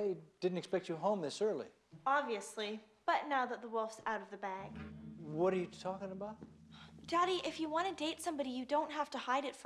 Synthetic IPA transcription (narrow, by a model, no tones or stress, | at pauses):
eɪd̥ɪdⁿn̩tɨkspɛk̚t͡ʃɨɦõʊ̃mðɪsɜ˞lˠḭ | ɑbviɨsli | b̥ʌtⁿnaʊðət̪̚ðəwʊlˠfsaʊɾʌvðɨbæɡ̥wʌɾə˞jɨtʰɔkɪ̃ŋəbaʊt̚d̥ɑɾiʔɪfjɨwɑ̃nɨdeɪtsʌ̃mbɑɾijɨdõʊ̃nt̚ɦæftəhaɪɾɨtf